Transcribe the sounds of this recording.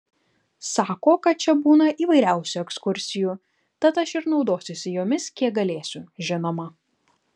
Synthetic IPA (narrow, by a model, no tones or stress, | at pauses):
sɑːkoːkɐt̪̚t͡ʃʲɛbuːnɐʔiːʋɐɪɾʲæˑʊsʲuɛkskʊɾʲsʲɪjuː | t̪ɐt̪ɐʃɪɾnɒʊd̪oːsʲʊsʲɪjoːmʲɪskʲiɛɡɐlʲeːsʲʊʒʲɪnoːmɐ